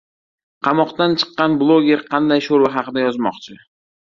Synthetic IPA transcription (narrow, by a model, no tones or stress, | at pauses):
qʰɑmɒqt̪ant͡ʃʰɨ̥qːɑnblˠoɡʲe̞ɾqʰɑnd̪ajʃoɾvaɦɑqɨd̪ajɒzmɒqt͡ʃʰɪ